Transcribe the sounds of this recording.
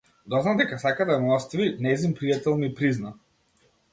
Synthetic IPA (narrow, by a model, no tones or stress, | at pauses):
d̪ɔznamd̪ɛkasakad̪aɛmlˠɔst̪vinɛzinpɾijat̪ɛlˠnipɾizna